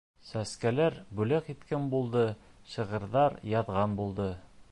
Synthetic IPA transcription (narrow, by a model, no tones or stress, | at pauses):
sæskælæɾbʉlæqit̪kænbulˠd̪ɤɕɤ̆ʁɤ̆ɾðɑɾjɑðʁɑnbulˠd̪ɤ